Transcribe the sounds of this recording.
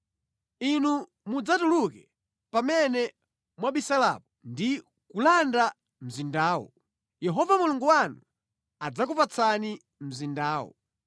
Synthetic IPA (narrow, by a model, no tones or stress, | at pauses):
inu | mud͡zatulukɛ | pamɛnɛ | mwaɓisala̰pɔndi | kulanda | m̩zindaːwɔ̰ | jɛɦɔvamuluŋɡuwanu | ad͡zak̬upat͡sʰani | m̩zindaːwɔ̰